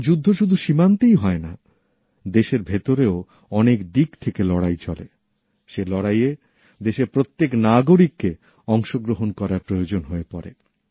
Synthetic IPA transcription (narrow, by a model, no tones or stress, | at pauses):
d͡ʑud̪ʱːoʃud̪ʱuʃimant̪ijɦɔena | d̪eʃeɾbʱet̪oɾeo | ɔnekd̪ikt̪ʰekelɔɽajt͡ɕʰɔlḛ | ʃelɔɽaje | d̪eʃeɾpɾot̪ːeknaɡoɾikːe | ɔŋʃoɡɾoɦonkɔɾaɾpɾojod͡ʑonɦoepɔɾḛ